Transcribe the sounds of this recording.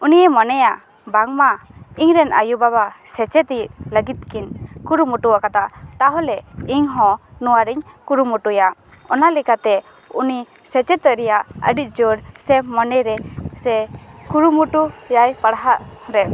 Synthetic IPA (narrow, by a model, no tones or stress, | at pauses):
unijɛmɔnɛja | baŋmaiɲɾɛnʔa̰jubaβasɛt͡ʃɛt̪iləɡit̪̚kinkuɾumuʈuaʔkat̪at̪aɦɔlɛiɲɦɔ̃nuwaɾiɲkuɾumuʈujaʔ | ɔnalikat̪ɛ | uni | sɛt͡ʃɛt̪ɔɾɛjaʔə̰ɖit̪̚ˀd͡ʒoɽsɛmɔnɛɾɛsɛkuɾumuʈujajpaɽaɦaʔɾɛ